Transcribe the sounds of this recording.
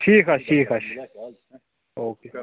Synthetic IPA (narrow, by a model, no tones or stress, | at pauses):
ʈʰiːkɐʃʈʰiːkɐʃ | oːkeː